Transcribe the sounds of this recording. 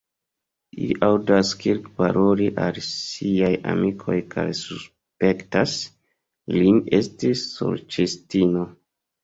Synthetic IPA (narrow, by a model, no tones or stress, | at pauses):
iʔawdaskilkpa̰ɾoliʔalsiaja̰mikʰo̞jkʰa̰jsus | pektas | linestisːo̰lt͡ʃestino